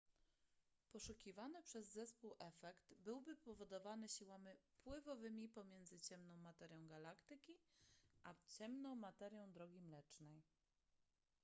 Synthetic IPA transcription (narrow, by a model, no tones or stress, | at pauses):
pɔʂukʲivanɘpʂɛzːɛspuwʔɛfɛkt̪bɘwbɘpɔvɔd̪ɔvanɘɕiwamʲipwɘvɔvɘmʲipɔmʲjɛnd̪zɘt͡ɕɛmnɔ̃w̃mat̪ɛɾʲjɔ̃w̃ɡalakt̪ɘkʲiʔat͡ɕɛmnɔ̃w̃mat̪ɛɾʲjɔ̃w̃d̪ɾɔɡʲimlɛt͡ʂnɛj